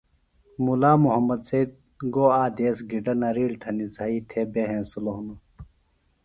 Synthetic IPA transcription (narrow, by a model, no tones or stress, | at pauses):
mulaːmuɦɐmɐd̪seid̪̚ | ɡoaːd̪eːsɡiɖɐnɐɾiːlʈ̪ʰɐnit͡sait̪ʰeːbeɦẽːsuloɦunu